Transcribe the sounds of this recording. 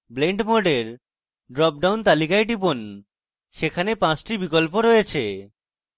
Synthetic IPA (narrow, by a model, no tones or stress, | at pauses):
bleɳɖmoɖeɾ | ɖɾɔp̚ɖawnt̪alikajɖip̬on | ʃekʰanepãt͡ɕʈibikolpoɾɔjet͡ɕʰḛ